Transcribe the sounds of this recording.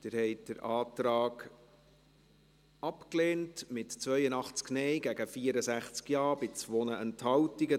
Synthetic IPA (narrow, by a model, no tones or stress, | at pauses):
d̥ɪɾhɛjtd̥̪əɾʔɑːtɾɑːɡ | ɑpkleːntmɪtt͡sʋœʏənɑχt͡sknɛɪɡæɡəfiəɾəsæχt͡skjɑːɾbɪt͡sʋɔnəənthɑwtiɡə